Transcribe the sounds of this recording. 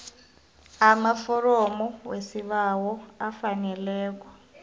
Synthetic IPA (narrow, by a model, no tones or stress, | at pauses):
amafɔɾɔmɔwesiɓawɔafanɛlɛːk̬ʼwa